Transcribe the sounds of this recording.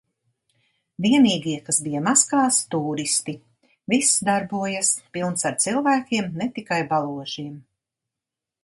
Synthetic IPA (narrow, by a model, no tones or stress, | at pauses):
viɛniːɡiɛkasbijamaskaːst̪uːɾist̪i | visd̪aɾbuɔjaspilˠnsaɾt̪silˠvæːkʲiɛmnet̪ikajbalˠuɔʒiɛm